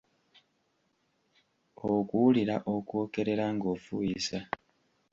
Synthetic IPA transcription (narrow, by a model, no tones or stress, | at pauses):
okuuliɾaʔokwo̞ːke̞ɾe̞ɾaŋɡo̞ːfujisa